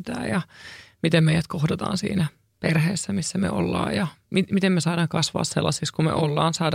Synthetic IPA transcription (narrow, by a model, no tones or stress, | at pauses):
t̪æ̰ːjɑmit̪emmeijæt̪̚kohdɑt̪ɑ̰ːnsḭːnæ | perheːsːæmisːæmḛʔo̰lːɑ̰ːjɑmimit̪emmesɑːɾɑːŋkɑsʋɑ̰ːssḛlːɑsikskumḛʔolːɑːnsɑːd